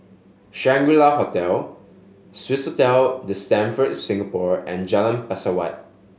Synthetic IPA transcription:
ʃɛ̃ŋɡulahotɛl | switshotɛldəstɛ̃nfətsɪ̃ŋəpɔɹɛ̰̃nd͡ʒɛlə̃npɛsəwa̰t̚

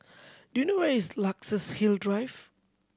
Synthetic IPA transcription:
d̥ujunowɛislaksəshildɹajv

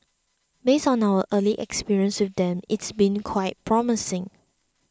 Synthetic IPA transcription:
besɔ̃nawəʔəliʔɛ̰kspiɹiə̃nswɪfdɛ̃mɪtsbĩnkʰwaɪt̚pʰɹɔmɪsɪ̃ŋ

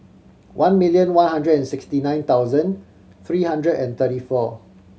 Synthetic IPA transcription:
wʔãnmiljə̃nwãnɦãndɹədɛ̃nsɪkstinãj̃nt̪awzə̃n | t̪ɹiːhãndɹədɛ̃nt̪ətifɔ

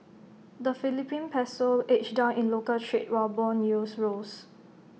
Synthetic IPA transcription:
d̪əfilipĩnpʰɛsolet͡ʃdãʊ̃nĩnlokəltʰɹit̚wabɔ̃njusɹos

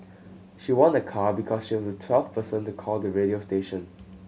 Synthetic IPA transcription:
ʃiwɔ̃nəkʰabikʰɔsʃiwɔsətʰwɛlvpʰəsə̃ntukʰɔldəɹeɾiosteʃə̃n

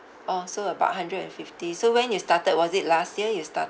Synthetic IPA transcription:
ʔɔsoəba̰ʊt̚ɦãndɹədɛ̰̃nfiftisowɛ̃njustatəd̚wɔzit̚lastjiəjusta̰

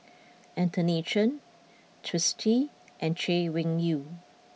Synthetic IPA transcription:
ʔɛ̃ntʰəneʃə̃n | tʰɹɪstʰi | ʔɛ̃nt͡ʃewɪ̃ŋju

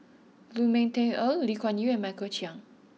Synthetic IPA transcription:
lumẽntẽnəllikʰɔ̃njuɛ̃nmakət͡ʃiãŋ

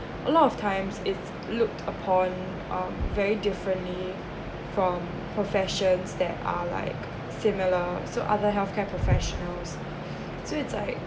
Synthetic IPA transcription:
ʔəlɔtɔftʰãɪ̃msɪts | lʊk̚tʰəpʰɔ̃n | ʔʌ̃mvɛɹidɪfɹə̃nʔli | fɹɔ̃m | pʰɹɔfɛʃə̃nsd̪ɛ̰ta̰la̰ɪk | sɪmiləsoʔa̰ðəɦɛlθkʰɛpʰɹɔfɛʃɔnəls | soɪtslaɪk̚

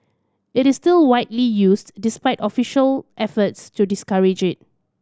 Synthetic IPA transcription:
ɪtɪstɪlwaɪtlijusdɪspaɪtɔfiʃəlʔɛfətstudɪskaɹɪd͡ʒɪt̚

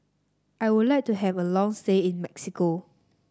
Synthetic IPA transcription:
ʔajwudlaɪk̚tuɦɛvəlɔ̃ŋsteĩnmɛksiko

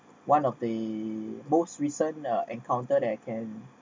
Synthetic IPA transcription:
wʔãnɔfdə | mostɹisə̃nəʔɛ̃ŋkʰãw̃ntəɾɛt̚kʰɛ̃n

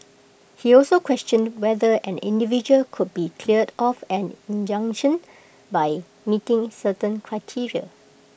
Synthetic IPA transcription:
hiɔlsokʰwɛstə̃ndwɛdəɛ̃nḭ̃ndivid͡ʒuəlkʰud̚bikʰliədɔfɛ̃nĩnd͡ʒʌ̃ŋʃə̃n | baj | mitɪ̃ŋsətə̃nkʰɹaɪtʰiɹiə

